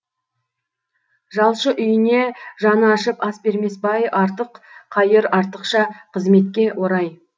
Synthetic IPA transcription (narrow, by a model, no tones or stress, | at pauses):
ʒɑlˠʃəʔʏjɪne̞ʒɑnəɑʃəpɑsbe̞ɾme̞sbɑjɑɾt̪əqqʰːɑjəɾɑɾt̪əqʃɑqʰəzme̞t̪kʲe̞wʔo̞ɾɑj